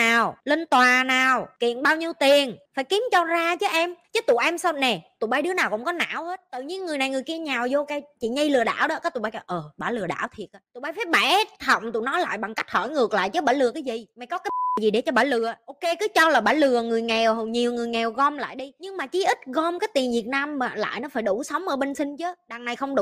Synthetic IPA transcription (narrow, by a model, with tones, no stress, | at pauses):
aː˨˩wle˧nt̪waː˨˩naː˨˩wkḭ˧˨ənɓaː˧wɲi˧əwt̪i˨˩ənfaː˧˩jki˨˦əmt͡ɕɔ˧zaː˧t͡ɕɨ˨˦ʔɛ˧mt͡ɕɨ˨˦t̪ṵ˧˨ʔɛ˧msa˧wnɛ˨˩t̪ṵ˧˨ɓaː˧jɗɨ˨˦ənaː˨˩wkʊ̰˧˥ŋ͡mkɔ˨˦na̰ː˧˥whe˦˥t̚t̪ɨ̰˧˨ɲi˧ənŋɨ˨˩əjna˨˩ŋɨ˨˩əjki˧əɲaː˨˩wzo˧kaː˧jt͡ɕḭ˧˨ɲə˧jlɨ˨˩əɗa̰ː˧˩wɗɔ̰˧˦˥kaː˨˦t̪u˧˩ɓaː˧jʔəː˨˩ɓaː˧˩lɨ˨˩ə˩ɗa̰ː˧˩wt̪ʰi˨˩ət̚ʔaː˧˩ṵ˧˨ɓaː˧˩jfa˨˦˥ɓaː˧˩t̪ʰə˨˩wŋ͡mt̪ṵ˧˨nɔ˨˦jla̰ː˧˨jɓa˨˩ŋka˦˥jk̟̚hɔː˧˩jŋɨ˨˩ək̚la̰ː˧˨jt͡ɕɨ˨˦ɓaː˧˩lɨ˨˩əkaː˨˦jzi˨˩ma˨˩jkɔ˨˦kaː˨˦jjzi˨˩ɗe˧˩t͡ɕɔ˧ɓaː˧˩lɨ˨˩əʔo˧wke˧kɨ˨˦t͡ɕɔ˧laː˨˩ɓaː˧˩lɨ˨˩əŋɨ˨˩əjŋɛ˨˩wɦɲi˨˩əwŋɨ˨˩əjŋɛ˨˩wɣɔ˧mla̰ː˧˨jɗi˧ɲɨ˧ŋmaː˨˩t͡ɕi˨˦ʔi˦˥t̚ɣɔ˧mkaː˨˦jt̪i˨˩nvi˨˩ət̚naː˧mmaː˧˨˩la̰ː˧˨jnɔ˨˦faː˧˩jɗu˧˩sə˨˦wŋ͡mʔəː˧˩ɓe˧nsï˧ŋ̟t͡ɕə˨˦ɗa˨˩ŋna˨˩jxə˧wŋ͡mɗu˧